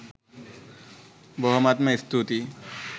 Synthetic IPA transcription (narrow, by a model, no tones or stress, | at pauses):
bɔɦɔmat̪meist̪ʰut̪i